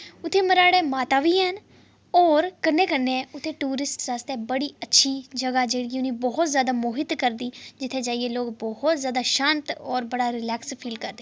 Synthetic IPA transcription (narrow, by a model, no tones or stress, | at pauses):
ʊt̪ʰːeːməɾaːɽeːmaːt̪aːʋiːɦən | ɔːɾkənːeːkənːeʊt̪ʰːẽːʈuːɾɪsʈsaːst̪eːbəɽiːətːʃʰiːd͡ʒəɡaːd͡ʒeːɽiʊniːbɔːɦʊt̪zjaːd̪aːmoːɦɪt̪kəɾd̪iːd͡ʒɪt̪ʰːẽːd͡ʒaːieːloːkbɔɦʊt̪zjaːd̪aːʃãːnt̪ɔːɾbəɽaːɾɪlɛːkspʰiːlkəɾd̪eː